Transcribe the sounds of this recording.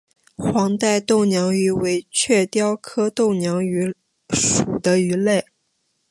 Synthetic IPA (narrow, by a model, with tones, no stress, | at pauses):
xwɑ˧˥ŋt̪a˥˧ɪt̪o˥˩ʊnjɑ˧˥ŋy˧˥we˧˥ɪt͡ɕʰɥɛ˥˩t̪jɑ˥ʊkʰɤ˥t̪o˥˩ʊnjɑ˧˥ŋy˧˥ | ʂu˨˩d̪ə˦y˧˥le˥˩ɪ